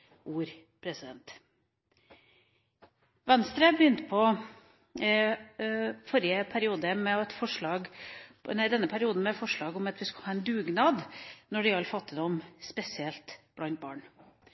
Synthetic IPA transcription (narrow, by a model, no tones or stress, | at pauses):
uːɾ | pʰɾɛsɪd̪ɛnt̪ | ʋɛnst̪ɾəbəjʏnt̪pʰɔ | fɔɾjəpʰæɾɪuːd̪əmɛɛt̪fɔʂɭɑːɡnæɪd̪ɛnːəpʰæɾɪuːd̪n̩mɛt̪fɔʂɭɑːɡʊmɑt̪ʋɪskɑhɑːɛnd̪ʉːɡnɑːd̪nɔɖɪɑlfɑt̪ːɪd̪ɔmspɛsɪɛlt̪b̥lɑnt̪̚bɑ̰ːɳ